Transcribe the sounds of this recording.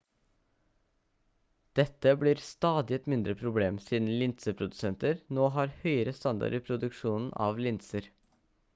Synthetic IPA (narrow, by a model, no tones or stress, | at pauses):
d̪̥ɛt̪əbliːɾst̪ɑːd̪ɪɛt̪mɪnd̪ɾəpʰɾʊbleːmsiːd̪n̩lɪnt̪səpʰɾʊd̪ʉsɛnt̪əɾnoːɦɑːɾhœʏəɾəst̪ɑnd̪ɑ̰ɾəpʰɾʊd̪ʉkʃuːnn̩ʔɑ̰ːʋlɪnsəɾ